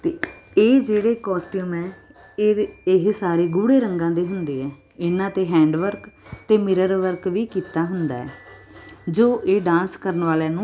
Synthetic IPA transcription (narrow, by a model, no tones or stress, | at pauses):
t̪eːeːd͡ʒeːɽeːkɔːsʈuːmɛː | ɪɦsaːɾeːɡuːɽeːɾəŋɡãːd̪eːɦʊnd̪eːɛː | ɪnãːt̪eːɦɛ̃ːɳɖʋəɾkt̪eːmɪɾəɾʋəɾkʋiːkiːt̪aːɦʊnd̪a̰ːɛ̰ː | d͡ʒoːʔeːɖãːnskəɾənʋaːlaːnũː